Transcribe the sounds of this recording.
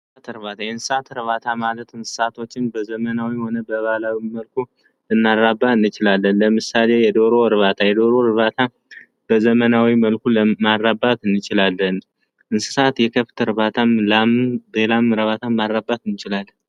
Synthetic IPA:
at̪ɨɾβat̪ʰajɛnsɨsat̪ɨɾβat̪ʰamalət̪ɨnsɨ̥sat̪ʰo̞t͡ʃːɪnbəzəmənawiho̞nəbəβalawiməlkʰu | lɨnːarabːaɨnːɨt͡ʃɪlalːənləmɨsale̞jɛd̪o̞ɾo̞ɨɾɨβat̪ʰajɛd̪o̞ɾoɨɾβat̪ʰa | b̥əzəmənawiməlkʰuləmarːabat̪ɨnːɨt͡ʃɪlalːən | ʔɨnsɨ̥sat̪jɛkʰəft̪ʰɨɾβat̪ʰaambelamɨɾəβat̪ʰamarːabːat̪ɨnːɨt͡ʃɪlal

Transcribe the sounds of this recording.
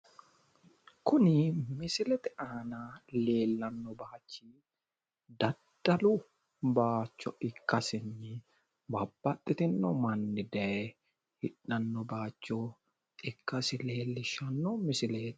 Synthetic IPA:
kʊnɪmɪsɪlɛt̪ɪʔaːnaleːlːɐnːɔbaːt͡ʃːi | d̪ɐd̪̥ːɐlu | baːt͡ʃːɔɪkːɐsɪnːɪ | bɐbːɐt̪ʼːɪt̪ɪnːɔmɐnːɪd̪ɐɛ | hɪᶑɐnːɔbaːt͡ʃːɔ | ɪkːɐsɪleːlːɪʃɐnːɔmɪsɪleːt̪

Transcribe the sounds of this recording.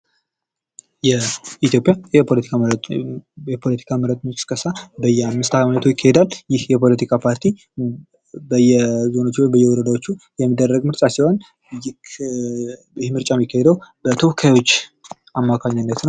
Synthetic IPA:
jɛit̪ʰjo̞pʼjajɛpʰolət̪ʰika | jɛpʰo̞lət̪ʰi̥kʰaməɾət̪ʼmit͡ʃʼskʼəsabəjːɛamːɨst̪ʰaamənət̪ʰojɪkʰːahɛd̪alːjɪhjɛpʰo̞lət̪ʰikʰapʰaɾt̪ʰi | bəjːɛzo̞not͡ʃːwojbəjːɛwɔɾəd̪awo̞t͡ʃːujɛmːid̪ːərːəɡmɨɾt͡ʃʼasiwon | j | jɪhmɨɾt͡ʃʼamːikʰːahed̪əwbət̪ʰo̞hkʰajwo̞t͡ʃːʔamːakʰaɲːanːət̪n

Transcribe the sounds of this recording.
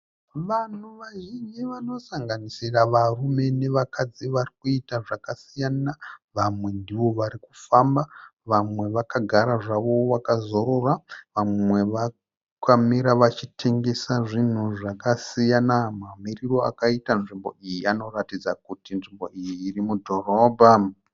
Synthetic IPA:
ʋan̤uʋaʒind͡ʒiʋano̞saŋɡanisiraʋarume̞ne̞ʋakʰad͡ziʋarikuitaʐakasijanaʋamwe̞ndiʋo̞ʋaɾikufambaʋamwe̞ʋakaɡʱaɾaʐaʋo̞ʋakazo̞ɾoraʋamwe̞ʋa | kamiɾaʋat͡ʃitʰe̞ŋɡe̞saʐin̤uʐakasijanamamiriro̞a̰kaitanʐimbo̞̰ijiano̞ratid͡zakutinʐimbo̞ʔijiːrimudʱo̞ro̞ːbʱa

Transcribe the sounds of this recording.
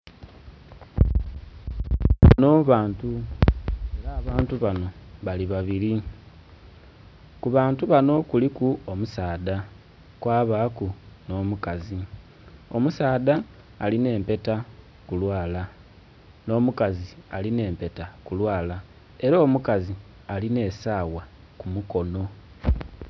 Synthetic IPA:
no̞βaːntu | e̞ɾaːβaːntuβano̞βaliβaβiɾi | kuβaːntuβano̞kulikuomusaːða | kwaːβakuno̞ːmukazi | o̞musaːðaː | line̞ːmpe̞ta | kulwaːla | no̞ːmukazialine̞ːmpe̞takulwaːla | e̞ɾo̞ːmukazi | aline̞ːsaːwa | kumuko̞no̞

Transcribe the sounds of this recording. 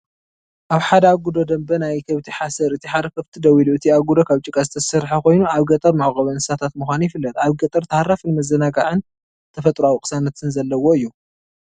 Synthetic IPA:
ʔaβħad̪ɐaɡud̪od̪ɐmbɐnajkʰɐβt̪ʰiħasɐɾɨt̪ʰiħad̪ɐkʰɐβt̪ʰid̪ɐwiluʔɨt̪ʰiaɡud̪okʰaβt͡ʃʼɨkʼɐzɨt̪ʰɐsɐɾħako̞jnuaβɡɐt̪ʼɐɾmaʕɣʼɐβɐnɨsat̪ʰat̪mɨxʷanjɪfɨlːɐt̪ʼaβɡɐt̪ʼɐɾt̪ʰɐhɾafɨnmɐzɐnaɡaʕɨn | t̪ʰɐfɐt̪ʼɾuawikʼɨ̥sanɐt̪ʰɨnzɐlːɐwo̞ɨjːu

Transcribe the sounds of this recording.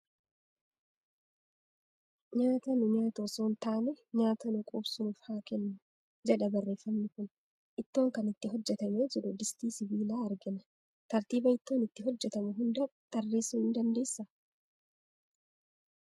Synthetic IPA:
ɲaːt̪ɐnʊɲaːt̪osoːnt̪aːnɛɲaːt̪ɐnʊkʼuːbsʊnuːfhaːkɛnːʊ | d͡ʒɛᶑɐbɐrːe̞ːfːɐmnɪkʊn | ʔɪt̪ːo̞ːŋkɐnɪt̪ːɪɦɔd͡ʒːɛt̪ɐmeːd͡ʒɪɾʊd̪ɪst̪iːsɪbiːlaːɐɾɡɪnɐ | t̪ɐɾt̪iːbɐɪt̪ːo̞ːnɪt̪ːɪɦɔd͡ʒːɛt̪ɐmʊɦʊnd̪ɐt̪ɐrːe̞ːsʊhɪnd̪ɐnd̪e̞ːsːɐ

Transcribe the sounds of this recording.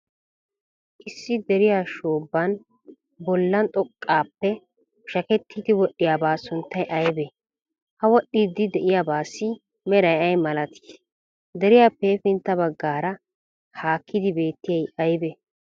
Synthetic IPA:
ʔɪsːɪd̪ɛɾɪjaːʃoːbːɐn | bɔlːɐnt̪ʼɔkʼːaːpːɛ | ʃɐkɛt̪ːiːd̪ɪwɔɗːɪjaːbaːsʊnt̪ːɐjʔɐjbɛ | hɐwɔɗːiːd̪ːɪd̪ɛʔɪjabaːsːɪ | mɛɾɐjɐjmɐlɐt̪ʰi̥ːs | d̪ɛɾɪjaːpːefɪnt̪ːɐbɐɡːaːɾɐ | haːkʰːɪd̪ɪbe̞ːt̪ːɪjɐjɐjbɛ

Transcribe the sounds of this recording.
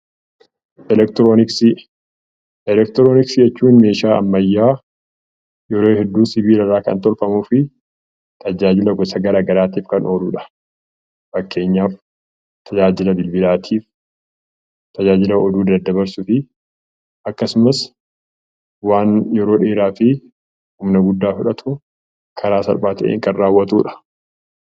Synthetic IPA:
ɛlɛkt̪ɾonɪksɪ | ɛlɛkt̪ɾoːnɪksɪd͡ʒɛt͡ʃːuːnme̞ːʃaːʔɐ̰mːɐjːaː | jɛɾoːhɛd̪ːuːnsɪbiːlɐrːaːkɐ̰nt̪ɔlfɐmuːfɪ | t̪ʰɐd͡ʒaːd͡ʒɪlɐɡɔsɐɡɐɾaːɡɐɾaːt̪iːfkɐnʔo̞ːlṵːᶑɐ̥ | fɐkːe̞ːɲːaːf | t̪ʰɐd͡ʒaːd͡ʒɪlɐbɪlbɪlaːt̪ʰiːf | t̪ʰɐd͡ʒaːd͡ʒɪlɐɔd̪uːd̪ɐd̪ːɐbɐɾsʊfɪ | ʔɐkːɐsʊmɐs | waːnjɛɾo̞ːᶑeːɾaːfɪ | hʊmnɐɡʊd̪ːaːfʊᶑɐt̪ʰʊ | kʰɐɾaːsɐ̰lbaːt̪ɐʔḛːŋkɐnːaːwːɐt̪uːᶑɐ̥

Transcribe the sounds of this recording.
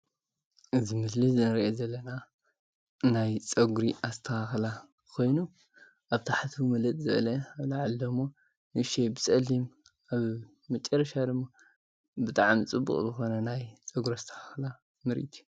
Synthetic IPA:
ʔɨzimɨslizɨnɐɾʔezɐlːɐna | najt͡sʼɐɡuɾiʔast̪ʰɐaxla | kʰo̞jnu | ʔaβt̪ʰaħat̪ʰmɐlɐt̪ʼzɨβɐlɐaβlaʕalːomo | nɨʃebɨt͡sʼɐlim | ʔaβ | mɐt͡ʃʼːɐɾɐʃad̪ɨmːo | bɨt̪ʼaʕamt͡sʼɨbːṵkʼzɨxo̞nɐnajt͡sʼɐɡuɾiast̪ʰɐ̥haxla | mɨɾḭt̪ʰu̥

